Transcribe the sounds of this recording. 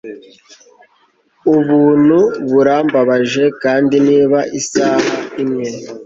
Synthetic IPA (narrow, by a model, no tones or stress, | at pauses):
uβuːn̥uβuɾaːmbaβaʒe̞kaːndiniːβaʔisaːhaimŋe̞